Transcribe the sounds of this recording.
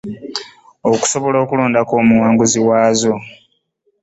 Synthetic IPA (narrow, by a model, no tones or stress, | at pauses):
oku̥so̞βo̞lo̞ːkuloːndakoːmuwaːŋɡuziwaːzo̞